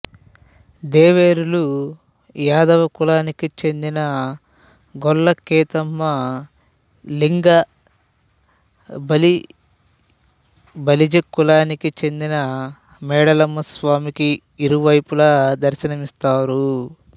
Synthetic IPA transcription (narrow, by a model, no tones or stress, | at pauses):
d̪eːʋeːɾulu | jaːd̪ɐʋɐkulaːnikit͡ʃe̞nd̪inɐ | ɡɔlːɐkːɛːt̪ɐmːɐ | liŋɡɐ | bɐli | bɐlid͡ʒekːulaːnikit͡ʃe̞nd̪inɐ | mɛːɽɐlɐmːɐsʋaːmikiː | ɾuʋɐjpulɐd̪ɐɾʃɐnɐmist̪aːɾu